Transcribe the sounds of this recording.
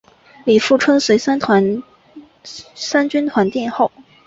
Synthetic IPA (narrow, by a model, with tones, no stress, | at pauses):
li˨˩fu˥˩ʈ͡ʂʰɤ˥ŋswe˧˥ɪsa˥nt̪ʰwa˧˥n | sa˥nt͡ɕy˥nt̪ʰwa˧˥nt̪jɛ˥˧nxo˥˩ʊ